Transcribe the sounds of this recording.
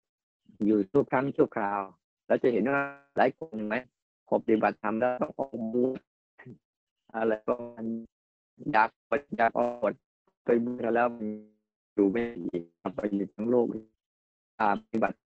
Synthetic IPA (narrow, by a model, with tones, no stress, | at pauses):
juː˨˩t̪ʰu˧˩əkʰɾaː˦˥˨ŋt͡ɕʰu˥˩wkʰaː˨˩w | lɛː˦˥˩wt͡ɕa˨˩he˨˦nwaː˧˥˩laː˨˦jkʰo˧˨nːɯ˨ŋma˦˥j | pʰɔː˨˧˩pa˧t̪i˧˩ba˨˩t̪ʰːa˧mlɛː˦˥˩t̪ɔ˧˥˩ŋʔɔː˨˩k̚buː˧˥˦t̚ | ʔa˧ɾa˧˩jkɔː˧˩ma˧˨n | jaː˨˩k̪̚ːjaː˨˩k̚ʔɔː˧˩˧ət̪̚ | pa˧jbu˧˥t̪ʰa˧˩lɛː˦˥˩wma˧n | juː˨˩ma˧˩i˨ʔka˧˩p̚ːa˧˦jjuː˨˩t̪ʰa˦˥ŋloː˥˩k̚ | ʔaː˨˩p̚a˧ti˧˥ba˨˩t̪̚